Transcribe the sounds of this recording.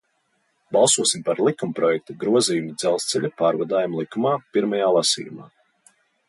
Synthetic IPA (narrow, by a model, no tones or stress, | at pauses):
bɑlˠsuɔsimpaɾlˠikumpɾɔjɛk̚t̪aɡɾuɔziːjumid̪zɛlˠst̪sɛʎʲapaːɾvad̪aːjumlˠikumaːpiɾmajaːlˠasḭːjṵma̰ː